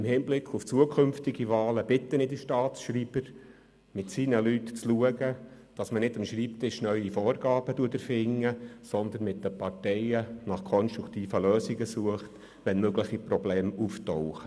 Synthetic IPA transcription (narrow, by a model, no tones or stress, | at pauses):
ɪmhɪːnblɪkχuft͡suəkʰʏmftɪɡivɑːləb̥ɪtːənɪdəʃtɑːtsʃriːb̥əɾ | mɪtsiːnəlytt͡sluəɡə | d̥ɑsmənɪdəmʃriːptɪʃnœʏifoːɾɡɑːb̥əduːətəɾfɪŋːəsɔnd̪ənmɪt̚dəpɑɾtɛɪənɑχkʰɔnʃtɾʊkʰtiːfəløːsɪɡəsuəχt | ʋɛnmøɡlɪχiprɔblɛːmuftoʊχə